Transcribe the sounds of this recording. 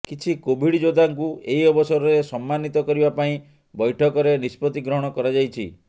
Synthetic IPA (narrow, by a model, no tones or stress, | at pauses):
kit͡ʃʰikobʱiɽd͡ʒod̪aŋkueɦiɔbɔsɔɾɔɾesɔmːanit̪ɔkɔɾibapaĩ | bɔjʈʰɔkɔɾenispɔt̪iɡɾɔɦɔɽ̃ɔkɔɾad͡ʒajt͡ʃʰi